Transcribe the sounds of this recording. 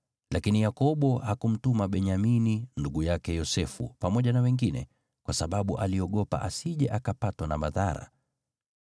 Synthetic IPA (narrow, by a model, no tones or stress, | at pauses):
lakinijakɔɓɔhakum̩tumaɓɛɲamininduɡujakɛjɔsɛfṵpamɔʄanawɛŋɡinɛ̰ | kwasaɓaɓuʔaliɔɠɔpa̰ʔasiʄɛʔakapatwanamaðaɾa̰